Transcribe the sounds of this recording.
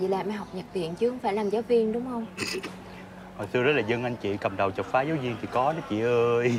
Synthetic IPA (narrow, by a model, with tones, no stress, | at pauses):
zḭ˧˨laː˨˩ma˧˩ɦɔ˨˩wk͡p̚ɲə˨˩t̚t̪ḭ˧˨ənt͡ɕɨ˧˦hə˧wŋ͡mfaː˧˩jlaː˨˩mzaː˨˦wvi˧əŋɗʊ˨˦wŋ͡mxə˧wŋ͡m | ho˨˩jsɨ˧əzə˦˥laː˨˩zə˧ŋʔa˧ŋ̟t͡ɕḭ˧˨kə˨˩mɗə˨˩wt͡ɕə˨˩t̚faː˨˦zaː˨˦wzi˧əŋt̪ʰi˨˩kɔ˨˦nɔ˨˦t͡ɕḭ˧˨ʔəː˧j